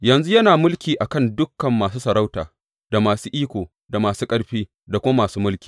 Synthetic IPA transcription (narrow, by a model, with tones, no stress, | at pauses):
jɐ˨nzu˦jɐ˦naː˨mʊ˦lkʲiː˨ʔa˨kɐ˦˨ndʊ˦kːɐ˨mːaː˨s̬uː˦sɐ˨ɾa˦wta̰ː˨ | da˨maː˨suː˦ʔiː˦kʷoː˨ | da˨maː˨suː˦kʼɐ˦ɽɸiː˦ | da˨kʷʊ˦a˦maː˨suː˦mʊ˦lkʲi̥ː˨